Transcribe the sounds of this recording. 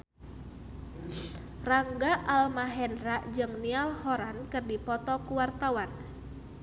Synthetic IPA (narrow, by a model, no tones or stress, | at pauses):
raŋɡaʔalmaɦɛnɾaʔd͡ʒɨŋnialhɔɾankɨrdipɔt̪ɔkuwart̪awan